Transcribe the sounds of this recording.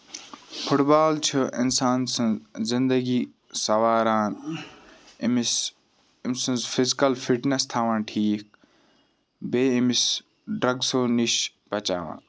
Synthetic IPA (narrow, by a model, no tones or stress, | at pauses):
pʰʊʈbaːlt͡ʃʰuʔɪ̰nsaːnsɐ̃nzzɪ̃nd̪əɡi | sɐʋaːɾaːn | ims | ɪmsɐ̃nzfʰɪzkɐlfiʈnest̪ʰaːʋãːnʈʰiːk̚ | beːimis | ɖɾɐɡsoːniʃ | bɐt͡ʃa̰ːʋã̰ːn